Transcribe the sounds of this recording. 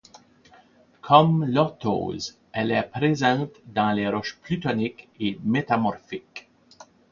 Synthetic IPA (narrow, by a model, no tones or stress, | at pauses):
kʰɔmlɔt̪ʰo̰ːz | ɛlɛpʁezɑ̃t̪d̪ɑ̃leɾɔʃplyt̪ɔnikemet̪amɔʁfik